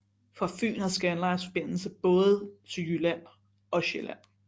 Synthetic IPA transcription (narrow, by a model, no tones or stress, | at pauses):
fɒ̽fy̰ːnəðˠsɡ̥ænlɑ̈ɪsfɒ̽b̥e̝n̰l̩səb̥ɔ̽ːð̩ˠt͡sʰyjylæ | ɒ̽ɕelæn